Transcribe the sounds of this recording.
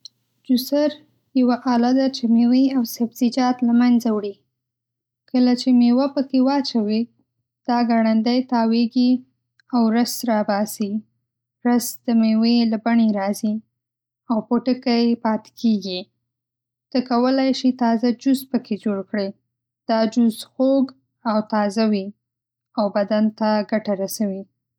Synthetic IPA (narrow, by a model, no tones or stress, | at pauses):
d͡ʒusaɾ | jawaʔɑlad̪at͡ʃemeweawsabzid͡ʒɑt̪lamanzawɽi | kʰəlat͡ʃemewapəkewɑt͡ʃawi | d̪̥ɑɡaɽand̪ajt̪ɑweɡi | awɾəsɾɑbɑsi | ɾəsd̪̥əmewelabaɳeɾɑzi | awpoʈəkajepɑt̪ɪ̥kʰeɡi | t̪əkawəlajʃit̪ɑzad͡ʒʊzpəkʰed͡ʒoɽkɽe | d̪̥ɑd͡ʒʊzxoɡ | awt̪ɑzawi | awbad̪ant̪aɡaʈaɾasawi